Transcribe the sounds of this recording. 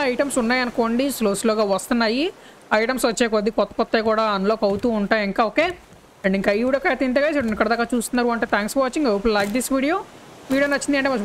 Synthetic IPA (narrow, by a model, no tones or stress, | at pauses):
ɐjʈɐmsunːaːjɐnukoːɳɖisloːsloːɡaːʋɐst̪unːɐji | ɐjʈɐmsʋɐt͡ʃːeːkod̪ːipɔt̪ːɐ̥pɔt̪ːeːkuːɽaːɐnloːkɐwut̪uːɳʈaːjiŋkaːoːke̞ː | eɳɖiŋkaːiʋɽoːkɐjt̪int̪̬eɡaːsiikːɐɽɐd̪aːkːaːt͡ʃuːst̪unːaɾuɐɳʈeːt̪ʰaːŋksʋaːt͡ʃiŋɡɐpullɐjk̚d̪isʋiːɽijoː | ʋiːɽioːnɐt͡ʃːind̪iɐɳʈeːmɐ